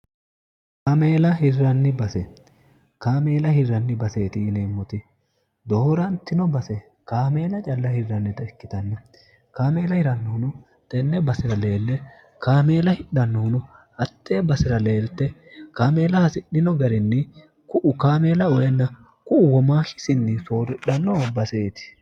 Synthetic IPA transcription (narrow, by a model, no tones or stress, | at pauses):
kaːmeːlɐɦɪrːɐnːɪbɐsɛ | kaːme̞ːlɐhɪrːɐnːɪbɐseːt̪ɪːneːmːɔt̪ɪ | d̪oːɾɐnt̪ːɪnɔbɐsɛ | kaːme̞ːlɐt͡ʃʼɐlːɐhɪrːɐnːɛt̪ɐɛkːɪt̪ɐnːɐ | kaːme̞ːlɐhɪɾɐnːɔhʊnʊ | t̪ʼɛnːɛbɐsɪɾɐle̞ːlːɛ | kaːme̞ːlɐhɪɗɐnːɔhʊnɔ | ɐt̪ːeːbɐsɪɾɐle̞ːlt̪ːɛkaːme̞ːlɐhɐsɪɗɪnɔɡɐɾɪnːɪ | kʊʔʊkaːmeːlɐɔjɛnːɐ | kʊʊwɔmaːhɪ̥sɪnːɪsoːɾɪɗɐnːɔbɐseːt̪ɪ̥